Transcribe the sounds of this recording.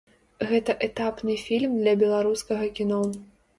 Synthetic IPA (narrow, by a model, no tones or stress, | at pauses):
ɣɛt̪ɐʔɛt̪apnɨfʲilʲmd̪lʲɐbʲɛlˠaɾuskɐɣɐkʲinɔ